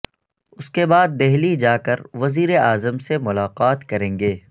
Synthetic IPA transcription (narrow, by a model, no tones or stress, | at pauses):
ʊskebaːd̪̚ːɛɦlid͡ʒaːkɐɾʋɐziːɾeaːzəmsemʊlaːqaːt̪kɐɾẽːŋɡeː